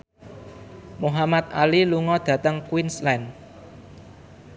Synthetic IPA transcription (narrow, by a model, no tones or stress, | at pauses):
muɦamat̪̚aliluŋɔd̪̥ä̤t̪əŋkwinslɛn